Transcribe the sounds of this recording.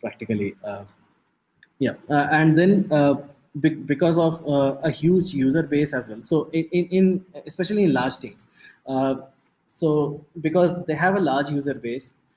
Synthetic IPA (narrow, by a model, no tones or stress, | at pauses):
pɾæk̚ʈɪkəli | jaæ̃ɳɖd̪ɛ̃n | bɪbɪkɔːzɔʋəhjuːd͡ʒjuːzəɾbeːsɛzʋɛlsoːʔɪ̃ɪ̃ɪ̃nespɛʃəliɪ̃nlaːɾd͡ʒt̪ɪ̃ŋs | soːbɪkɔːzd̪eːɦæʋəlaːɾd͡ʒjuːzəɾbeːs